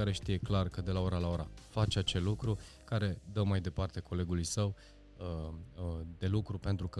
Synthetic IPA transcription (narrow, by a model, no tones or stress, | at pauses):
aɾe̞ʃt̪ije̞klarkəd̪e̞lao̞ɾalao̞ɾafat͡ʃat͡ʃe̞lːukɾu | kaɾe̞d̪əmajd̪e̞part̪e̞ko̞le̞ɡulujsəw | d̪e̞lukɾupe̞nt̪ɾukə